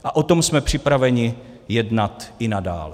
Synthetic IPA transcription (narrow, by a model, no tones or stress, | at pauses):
ʔaʔo̞t̪o̞msmɛpr̝̥ɪpɾavɛɲɪ | jɛdnat̪ʔɪnada̰ːlɛ